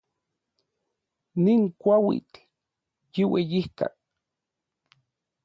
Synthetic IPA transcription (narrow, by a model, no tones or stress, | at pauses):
niŋkʷawḭt̪ | jiwejihk̪a̰k